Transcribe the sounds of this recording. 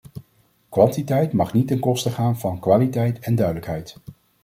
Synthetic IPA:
kʋɑntitɛjtmɑχnitənkɔstəχaːnvɑnkʋaːlitɛjtɛndœɥdələkɦɛjt

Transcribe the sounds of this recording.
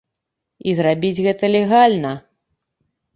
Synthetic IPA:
izrabʲid͡zʲɣɛt̪ɐlʲɛɣalʲnɐ

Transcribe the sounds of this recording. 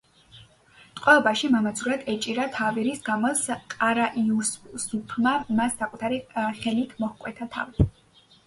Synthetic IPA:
t̪ʼqʼwɛɔbaʃimamad̪zuɾad̪ɛt͡ʃʼiɾat̪ʰaviɾisɡamɔsqʼaɾaʔiussupʰmamasːakʼut̪ʰaɾiχɛlit̪ʰmɔhkʼwɛt̪ʰat̪ʰa̰vi

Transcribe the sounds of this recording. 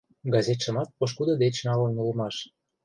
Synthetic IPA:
ɡɑzet̪ʃə̆mɑt̪̚poʃ̬kud̪ɤ̆d̪et͡ɕnɑlə̆nulə̆mɑʃ

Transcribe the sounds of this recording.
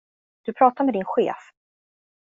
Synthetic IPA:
d̪̥ɵpʰɾɑːt̪aɾmɛd̪ɪnɧḛːf

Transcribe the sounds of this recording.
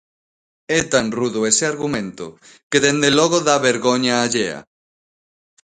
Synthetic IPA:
ɛt̪anruðʊeseaɾɣumẽnt̪ʊ̰ | keðend̪elɔɣoðaβeɾɣoɲaːʎeɐ̰

